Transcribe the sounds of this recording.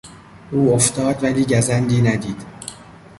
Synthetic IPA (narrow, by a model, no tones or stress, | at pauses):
ʔuːoft̪ɒːd̪væliːɟæzænd̪iːnæd̪iːd̪̥